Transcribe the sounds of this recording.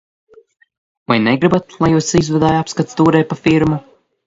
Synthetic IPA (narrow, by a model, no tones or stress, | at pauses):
vajnɛɡɾɨbat̪̚lˠajuːsizvɛd̪aːjapskat̪st̪uːɾɛj̪̚pafiɾmu